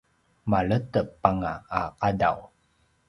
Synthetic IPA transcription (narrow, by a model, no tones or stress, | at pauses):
maɭətəpːaŋaaqada̰w